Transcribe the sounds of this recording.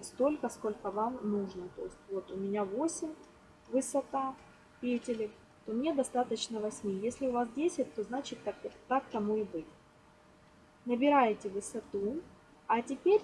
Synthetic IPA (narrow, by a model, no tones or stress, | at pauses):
st̪o̞lʲkəsko̞lʲkəvamːuʐnət̪o̞ɪsʲtʲvo̞t̪ʊmʲɪnʲavo̞sʲɪmʲ | vɨsɐt̪a | pʲetʲɪlʲɪk | t̪o̞mnʲe̞d̪ɐst̪at̪ət͡ɕnəvɐsʲmʲejesʲlʲɪʊvasdʲesʲɪt̚ʲt̪o̞znat͡ɕɪtʲːakt̪ak̚t̪ɐmuɪbɨtʲ | nəbʲɪɾajɪtʲɪvɨsɐt̪u | ɐtʲɪpʲeɾʲ